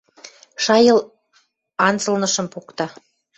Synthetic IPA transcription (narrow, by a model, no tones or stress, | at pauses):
ʃɑjɤl | ɑnt͡sə̆lnɤʃə̆mpukt̪ɑ